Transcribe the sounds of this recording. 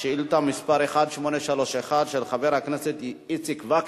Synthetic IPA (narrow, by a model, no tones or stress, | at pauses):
ʃeilut̪amːispaɾeχad̪ʃmoneʃaloʃeχad̪ʃelχaveɾhakneset̪it͡sikvak